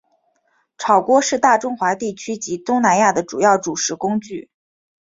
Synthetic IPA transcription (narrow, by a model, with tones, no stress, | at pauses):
ʈ͡ʂʰɑ˨˩ʊkwɔ˥ʂɻ̩˥˧t̪a˥˩ʈ͡ʂʊ˥ŋxwa˧˥t̪i˥˩t͡ɕʰy˥t͡ɕi˧˥t̪ʊ˥ŋna˧˥nja˥˩d̪ə˩ʈ͡ʂu˨˩jɑ˥˩ʊʈ͡ʂu˨˩ʂɻ̩˧˥kʊ˥ŋt͡ɕy˥˩